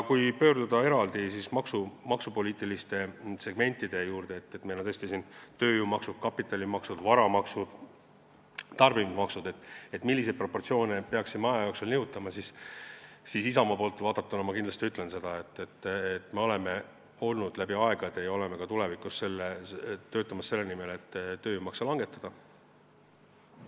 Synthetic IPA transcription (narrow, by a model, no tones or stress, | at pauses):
jɑkujpø̞ːrd̪ud̪̥ɑe̞ɾɑld̪isismɑksumɑksupo̞lʲiːt̪ːˑilist̪e̞se̞ɡ̥me̞nʲt̪ːˑid̪̥e̞juːrd̪̥e̞et̪ːet̪mejlonɤst̪isint̪ø̞ːjuːmɑksud̥̪̚kɑpːˑit̪ːˑɑlimɑksud̪̥vɑɾɑmɑksud̪̥ | t̪ɑrbimmɑksud̪e̞t̪ːˑet̪ːˑmilːised̪̚pro̞pːo̞rt̪sio̞ːnepeɑksimɑjɑjoːkselnɤut̪ːˑɑmɑsis | sisisɑmɑpo̞ːlt̪ːˑvɑːd̪ɑt̪ːˑunɑmɑkind̪lɑst̪iyt̪ːle̞nse̞d̪̥ɑe̞t̪ːet̪ːet̪ːme̞o̞le̞me̞ | o̞lnud̪̥læbiɑeɡ̥ɑd̪̥ejɑo̞lemekɑt̪ule̞vikusse̞lːet̪ːø̞ːt̪ːˑɑmɑsːe̞lːenime̞le̞t̪ːøːjuːmɑksɑlɑŋɡ̥e̞t̪ːˑɑd̪̥ɑ